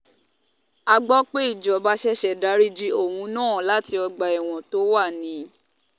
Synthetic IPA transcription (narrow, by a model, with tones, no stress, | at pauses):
a˧ɡ͡bɔ˦k͡pe˦i˦˨d͡ʒɔ˨ba˦ʃɛ˦ʃɛ˨da˨˦ɾi˦d͡ʒi˦o˦˨hũ˧nãː˦˨la˦ti˧ɔ˧ɡ͡ba˨ɛ˨w̃ɔ̃˨to˨˦wa˦˨nĩ˨˦